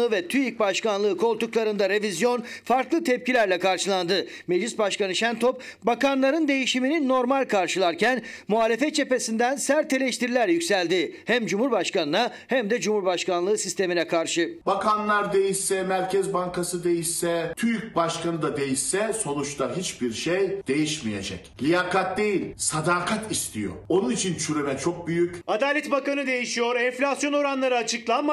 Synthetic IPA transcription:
ɯɯvɛt̪ʰyjyc̚baʃkanlˠɯːkʰo̞lˠt̪uklˠaɾɯnd̪aɾe̞vizjo̞nfaɾklˠɯt̪ʰɛp̚cilʲæɾlʲɛkaɾʃɯlˠand̪ɯ | med͡ʒlʲisbaʃkanɯʃænt̪ʰo̞p̚ | bakanlˠaɾɯnd̪e̞jiʃimininːo̞ɾmalʲkʰaɾʃɯlˠaɾcʰæn | muɦaːlʲe̞fɛt̪̚t͡ʃʰe̞pe̞sind̪ænsæɾt̪ʰːe̞lʲeʃt̪ʰiɾilʲæɾjycʲsælʲd̪ihæmd͡ʒumhuɾbaʃkanɯna | hæmd̪ɛd͡ʒumhuɾbaʃkanlˠɯːsist̪ʰe̞minɛkʰaɾʃɯbakanlˠaɾd̪e̞jisːɛmæɾʲcʰɛzbaŋkasɯd̪e̞jisːɛt̪ʰyɾc̚baʃkanɯd̪ad̪e̞jisːɛso̞nut͡ʃt̪ʰaɦit͡ʃbiɾʃejd̪̥e̞jiʃmijḛd͡ʒɛ̰clʲijakat̪̚d̪ejilʲsad̪aːkʰat̪ist̪ʰijo̰o̞nunit͡ʃʰint͡ʃʰyɾemɛt͡ʃʰo̞k̚byjycad̪aːlʲɛt̪bakanɯd̪e̞jiʃijo̞ɾɛnflʲasjo̞no̞ɾanlˠaɾɯːt͡ʃʰɯklˠanma

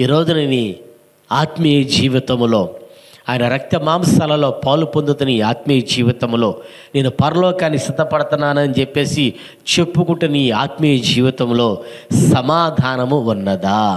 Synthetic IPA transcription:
iːɾo̞ːd͡ʒuneːni | aːt̪mijɐd͡ʒiːʋit̪ɐmlo̞ː | aːjɐnɐɾɐk̚t̪ɐmaːmsɐlɐlo̞ːpɐːlupond̪ut̪uniaːt̪mijɐd͡ʒiːʋit̪ɐmlo̞ː | ne̞ːnupɐɾɐlɔːkaːnːisɐt̪ːɐpɐɽut̪unːaːnɐnit͡ʃepːe̞ːsi | t͡ʃe̞pːukuɳʈːɐniːaːt̪mijɐd͡ʒiːʋit̪ɐmlo̞ːsɐmaːd̪ʱaːnɐmuunːɐd̪aː

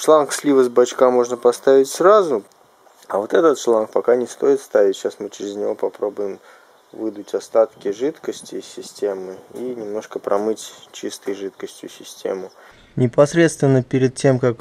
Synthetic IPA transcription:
ʂlˠanksʲlʲivəzbɐt͡ɕkamo̞ʐnəpɐst̪avʲɪtʲsrazʊ | ɐvo̞t̪ɛt̪ət̪ʂlˠank̚pɐkanʲɪst̪o̞jɪt̪st̪avʲɪtʲɕasmɨt͡ɕɪɾʲɪznʲɪvo̞pɐpɾo̞bʊjɪm | vɨd̪ʊtʲɐst̪at̪kʲɪʐɨt̪kəsʲtʲɪsʲɪsʲtʲe̞mɨinʲɪmno̞ʂkəpɾʔɐmɨtʲt͡ɕist̪ɨjʐɨt̪kəsʲtʲjʊ̰sʲɪsʲtʲḛmʊ | nʲɪpɐsɾʲe̞t̪st̪vʲɪnːəpʲɪɾʲɪd̪̚tʲe̞mkak

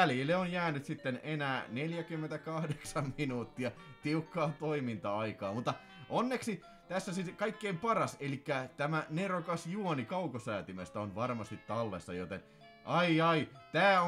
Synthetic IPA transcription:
æljilːeonjæːnyt̪sit̪ːenenæːneljækymːent̪ækɑhdeksɑmminuːt̪ːiɑ | t̪iukːɑːt̪oimint̪ɑɑikɑːmut̪ːɑ | ʔonːeksi | t̪æsːæsikɑikːeimpɑrɑselikːæt̪æmænerokɑsjuonikɑukosæːt̪imest̪æonʋɑrmɑst̪it̪t̪ːɑlːesːɑ̰jot̪en | ʔɑiɑit̪æːo

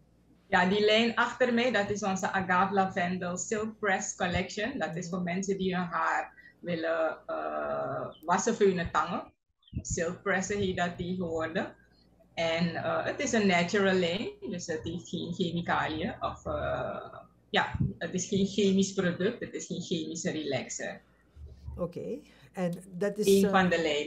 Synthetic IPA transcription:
jadilɛjnaxtərmɛjdɔtɪsɔnzəʔaɡaːvlavɛndəlˠsɪlˠk̚prɛskɔlɛkʃəndɔtɪsfoːrmɛnsədiəɦaːrʋɪləə | ʋasəføːnətɑŋə | sɪlˠk̚prɛsəɦeːfdatːeːɣəʋɔrdə | ɛnəətɪsənːɛt͡ʃuɹəlˠːɛŋdəsətɦeːftxeːnxemikaːlijəʔɔfə | ja̰ːətɪsxeːnxeːmisprodøk̚tətɪsxeːnxeːmisərilɛksə̰ | oke | ɛndatɪenfɑndəlɛː

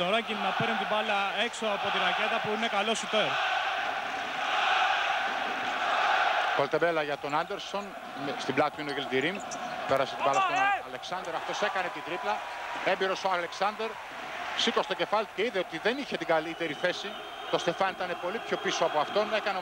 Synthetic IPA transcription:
t̪oɾɐɟilnɐpeɾnunt̪ibɐlɐe̞ksoɐpo̞t̪iɾɐce̞t̪ɐpuine̞kɐlo̞sit̪e | kolt̪ebelɐʝɐt̪o̞nɐnd̪eɾso̞n | st̪iblɐt̪unoɣeld̪iɾimpeɾɐset̪ibɐlɐst̪onɐle̞ksɐnd̪e̞ɾɐft̪o̞se̞kɐne̞t̪it̪ɾiplɐ | e̞mbiɾo̞soɐle̞ksɐnd̪e̞ɾ | sikost̪o̞ce̞fɐlit̪u̥ce̞iðeo̞t̪iðe̞niçe̞t̪iɡɐlit̪e̞ɾiθe̞si | t̪o̞st̪e̞fɐnit̪ɐne̞po̞lipço̞piso̞ɐpoɐft̪o̞nekɐne

